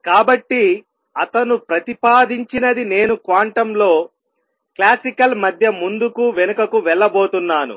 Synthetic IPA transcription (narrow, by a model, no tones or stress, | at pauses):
kaːbɐʈːi | ɐt̪ɐnupɾɐt̪ipaːd̪iɲt͡ʃinɐd̪ine̞ːnukʋaːɳʈɐmlo̞ː | klaːsikɐlmɐd̪ʱjɐmund̪ukuʋɛnɐkɐkuʋɛɭːɐbo̞ːt̪unːaːnṵ